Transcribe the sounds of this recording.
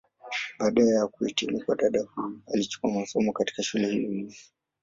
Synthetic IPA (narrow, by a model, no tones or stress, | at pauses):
ɓaːɗaajakuɛtimukwaɗaɗahuialit͡ʃu̥kuamasɔmɔkati̥kaʃulɛhilii